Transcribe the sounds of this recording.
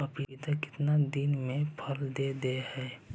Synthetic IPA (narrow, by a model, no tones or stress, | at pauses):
ɐpiit̪akɪ̥t̪nad̪ɪnmẽpʰəld̪ed̪ehɛː